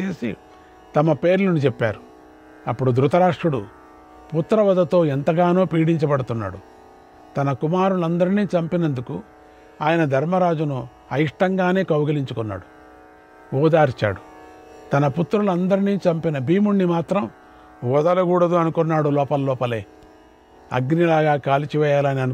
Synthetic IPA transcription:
t͡ʃeːsḭ | t̪ɐmɐpe̞ːɾlunut͡ʃɛpːaːɾu | ɐpːuɽud̪ɾut̪ɐɾaːʂʈɾuɽu | put̪ːɾɐʋɐd̪ɐt̪o̞ːent̪ɐɡaːnoːpiːɽiɲt͡ʃɐbɐɽut̪unːa̰ːɽu | t̪ɐnɐkumaːɾulɐnd̪ɐɾiniːt͡ʃɐmpinɐnd̪uku | aːjɐnɐd̪ʱɐɾmɐɾaːd͡ʒunu | ɐjiʂʈɐŋɡaːne̞ːkɐwɡeliɲt͡ʃukunːa̰ːɽu | ɔːd̪aːɾit͡ʃa̰ːɽu | t̪ɐnɐput̪ːɾulɐnd̪ɐɾiniːt͡ʃɐmpinɐbiːmuɳːimaːt̪ɾɐm | ʋːd̪ɐlɐɡuːɽɐd̪uɐnukunːaːɽulɔːpɐlːɔːpɐlḛː | ɐ̰ɡnilaːɡaːkaːlit͡ʃiʋɛːjaːlɐniɐnu

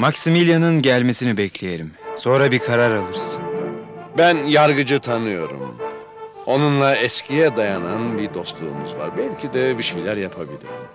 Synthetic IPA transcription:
maksimilʲjanɯnɟælʲme̞sinibɛcʰlʲeje̞ɾimso̞nɾabikʰaɾaɾalˠɯɾsɯ̥n | bænjaɾɡɯd͡ʒɯt̪ʰanɯjo̞̰ɾṵm | o̞nunlˠaɛscʰijɛd̪ajananbid̪o̞st̪lˠṵːmuzva̰ɾbɛlʲcʰid̪ɛbiʃejlʲæɾjapʰabilʲḭɾ

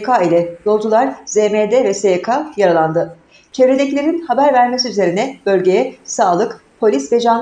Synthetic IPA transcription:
kʰailʲɛjo̞lˠd̪ulˠaɾzeːmeːd̪ɛvɛsekʰajaɾalˠand̪ɯ | t͡ʃʰevɾe̞d̪ɛclʲe̞ɾinhabæɾvæɾmes̬iyze̞ɾinɛbø̞lʲɟe̞jɛsaːlˠɯk | pʰo̞lʲisvɛd͡ʒan

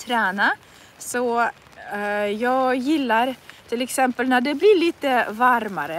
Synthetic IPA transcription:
t̪ʰɾæːna | sɔ | jɑːɡjɪlːaɾt̪ʰɪlɛksɛmpəlnæɖɛbliːɭiːt̪əvaɾmaɾə

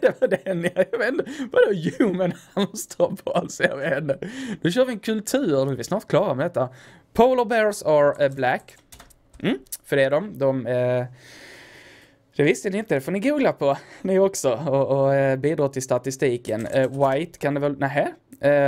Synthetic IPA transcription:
d̪ɛvad̪ɛhɛnːɪajɑvet̪nt̪əb̥ɑːdjʉːmənhamst̪ʰɔpʰɔalt̪sɛə̰vɪɛnːənɵɕ̬œːɾvɪɛnkʰɵlt̪ʰʉ̟ːɾɔnʉvɪlsnɑːʈ̪kʰlɑːɾamɛd̪ɛt̪ːa | pʰalɔbɛɾsæɾblækː | m̩fœdɛɛdɔmd̪ɔm | d̪̥ɛvɪst̪ənɪɪnt̪əd̪ɛfoːnɪɡuːɡlapʰɔnɪɔksɔɔɔbiːd̪ɾɑːt̪ʰːɪlst̪at̪ɪst̪iːkənwajt̪kʰand̪ɛvɛlnæɦɛ

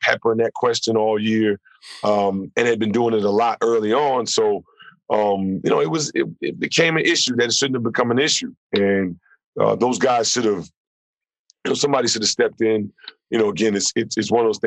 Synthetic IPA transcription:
pʰɛ̰pə˞ɨ̃nðɨt̚kʰw̥ɛst͡ʃɨ̃nɔlˠjɪɹ | ʌ̃mɨ̃nɨd̚bɨ̃nduɪ̃ŋɪɾəlɔɾʔɜ˞lˠiə̃nsoʊʔʌ̃mjɨ̰noʊɨt̚wʌzɪ̰t̚ɪ̰t̚b̥ɨkʰẽɪ̃mɨ̃nʔɪʃʉðɨɾɨtʃʊdⁿn̩əvbɨkʰʌ̃mə̃nɪʃʉɨ̃n | ʌ̰ðoʊzɡaɪz̥ʃʊɾɨv̥ | jɨnoʊsʌ̃mbɑɾiʃʊɾɨv̥stɛp̚tɪ̃njɨñoʊəɡɛ̃nɨtsɨtsɨtswʌ̃nʌvðoʊzθ

